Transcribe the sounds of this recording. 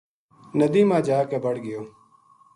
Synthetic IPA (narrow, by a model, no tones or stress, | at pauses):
nəd̪iːmãːd͡ʒaːkeːbəɽɡɪjoː